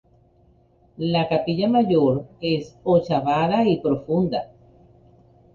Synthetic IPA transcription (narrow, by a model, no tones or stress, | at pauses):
lakapiʎamaʝoɾe̞sot͡ʃaβaðaipɾo̞fund̪a